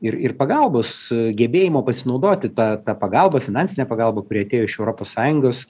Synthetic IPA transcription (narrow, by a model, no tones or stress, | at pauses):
ɪɾɪrpɐɡɑlˠboːsɡʲɛbʲeːjɪmoːpɐsʲɪnɒʊd̪oːt̪ʲɪt̪ɑːt̪ɑːpɐɡɑlˠbɐfʲɪnɑnʲsʲɪnʲɛːpɐɡɑlˠbɐkʊɾʲiːɐt̪ʲeːjoːɪʃɛʊɾoːpoːssɑːjʊŋɡoːs